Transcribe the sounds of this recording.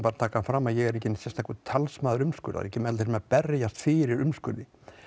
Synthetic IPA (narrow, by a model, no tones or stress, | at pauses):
paːɾat̪ʰaːkafɾaːmːajɛɣɛɾɛhcːɪnsjɛst̪ʰajkʏt̪ʰalsmaːðʏɾʏmskʏ̰ɾða̰ɾɛcɪmɛlɪsmapɛrjast̪fɪːɾɪɾʏmskʏ̰ɾðɪ